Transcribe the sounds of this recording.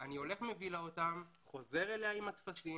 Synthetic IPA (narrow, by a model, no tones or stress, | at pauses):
anio̞le̞χme̞vilaot̪amχo̞ze̞ʁeleaimat̪fasi